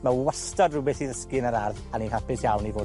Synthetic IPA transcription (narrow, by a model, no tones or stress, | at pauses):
mawɛstɔdrʊbɛθiðəskɨnəɾarðaninhapɪsjawnivoː